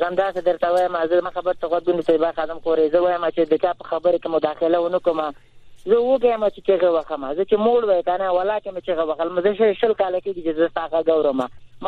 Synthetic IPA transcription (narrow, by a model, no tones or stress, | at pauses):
zamd̪ɑsed̪əɾt̪awajəmazəmaxabəɾt̪aɣwad̪̚ɡunet̪abaxɑd̪ɪmxoɾezəwajəmat͡ʃed̪ət͡ʃɑpəxabəɾekemʊd̪ɑxɪlawənəkoma | zəwəɡajəmat͡ʃet͡ʃeɣewaxəmazət͡ʃemoɽwak̪anawalɑkemet͡ʃeɣewaxəlmazəʃəʃəlkɑlakeɡit͡ʃezəst̪ɑɣaɡawɾəmam